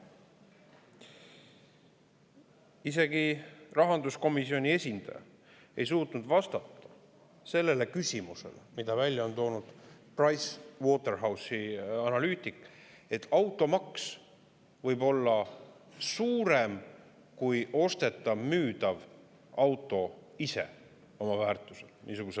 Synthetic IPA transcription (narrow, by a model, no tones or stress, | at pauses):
ise̞ɡirɑɦɑnd̪usko̞misio̞nʲie̞sʲind̪ɑ̰jɑ̰ | e̞js̬uːt̪nud̪vɑst̪ɑt̪ːɑ̥ | se̞lːe̞le̞kysʲimuse̞̰lemid̪ɑvælʲjɑo̞nt̪o̞ːnud̪̥prɑjswo̞t̪e̞rɦɑwsiɑnɑlyːt̪ˑik | e̞t̪ːˑɑwt̪ːˑo̞mɑks | vɤjbo̞lːɑ | suːɾem | kujo̞st̪e̞t̪ːˑɑvmyːd̪ɑv | ɑwt̪ːˑo̞ise̞̰ | o̞mɑvæːrt̪ːˑuse̞lnʔiːsuɡ̥use